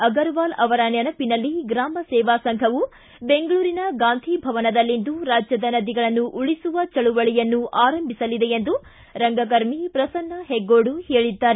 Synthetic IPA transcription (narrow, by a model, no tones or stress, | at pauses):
ɐɡɐɾʋaːlɐʋɐɾɐnɐnɐpinɐlːiɡɾaːmɐsɛːʋaːsɐŋkʰɐʋu | be̞ŋɡɐɭuːɾinɐɡaːnd̪ʱibʱɐʋɐnɐd̪ɐlːind̪uɾaːd͡ʒjɐd̪ɐnɐd̪iɡɐɭɐnːuʔuɭisuʋɐt͡ʃɐɭuʋɐɭijɐnːuaːɾɐmbʱisɐlid̪eend̪u | ɾɐŋɡɐɡɐɾmipɾɐsɐnːɐɦeɡːoːɽuheːɭid̪ːaːɾe